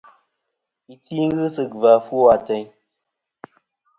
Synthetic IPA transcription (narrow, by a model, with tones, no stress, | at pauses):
i˨t͡si˦ŋ˦ɣɨ˦sɨ˦˨k̚va˨fu˦a˨tɛ˨ɲ